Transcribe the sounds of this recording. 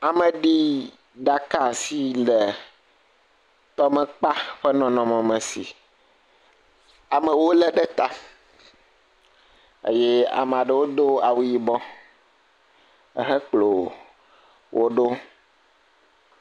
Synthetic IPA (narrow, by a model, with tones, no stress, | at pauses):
a˨mə̃˨ɖi˦ | ɖa˨ka˦˨si˦lɛ˨ | t̪ɔ˦mɛ̃˨k͡pa˦ɸɛ˦nɔ̃˨nɔ̃˨mɛ̃˨mɛ̃˨si˨ | a˨mə̃˨wo˦lɛ˦ɖɛ˦t̪a˦ | ḛ˦jɛ˦a̰˨mẽ˨a˨ɖə˨wo˦d̪o˦a˨wu˦ji˦bɔ̃˦ | ə̰˦ɦɛ˦k͡plo˨ | wʔo˦ɖo˦